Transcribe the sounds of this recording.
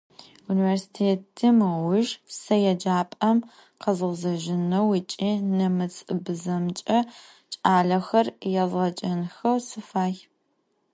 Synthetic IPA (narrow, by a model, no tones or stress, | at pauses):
universi̥tʰeːtʰimɨwʊʒsɐjɛd͡ʒaːpʼɐm | qɐzɨʁzɐʒɪnɐwit͡ʃʼiːnɐmɨt͡sʰɨbɨzɐmt͡ʃʼɐ | t͡ʃʼaːɮɐxɐrjɛzʁɐt͡ʃʼɐnxɐwsɨfaːj